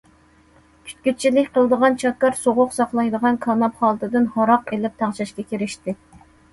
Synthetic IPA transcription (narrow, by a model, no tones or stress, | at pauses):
kʲʰy̥t̪̚kʲyt̪̚t͡ʃʰilɪkʲqəlˠəd̪əʁɑnt͡ʃʰɑkːɑɾsoʁʊqsɑχlˠɑjd̪əʁɑnkʰɑnɑpχɑlˠt̪ʰɨd̪ɪnhɑɾɑqelɪp̚t̪ʰɑʁt͡ʃʰɑʃkʲɛkʲʰeɾɪʃt̪ɪ